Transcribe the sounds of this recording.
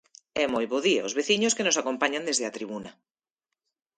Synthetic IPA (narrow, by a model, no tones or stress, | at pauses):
ɛmojβoðiaozβeθiɲʊskenʊsakompaɲãnd̪ezðeat̪ɾiβ̞unɐ